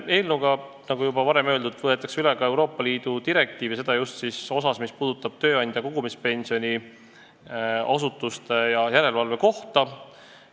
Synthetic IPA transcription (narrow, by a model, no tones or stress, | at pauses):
e̞ːlnuɡ̥ɑ | nɑɡujubɑvɑɾe̞mø̞ːld̪ud̪vɤet̪ːˑɑ̥ksyleɡɑe̞wɾo̞ːpːˑɑliːd̪̥ut̪iɾe̞k̚t̪iːvise̞d̪̥ɑjust̪siso̞sɑsmispuːd̪̥ut̪ːˑɑb̥̚t̪ø̞ːɑnʲd̪jɑkoɡumispe̞nʲsio̞nʲi | ɑsut̪ːˑust̪ejɑjæɾe̞lvɑlve̞ko̞ht̪ɑ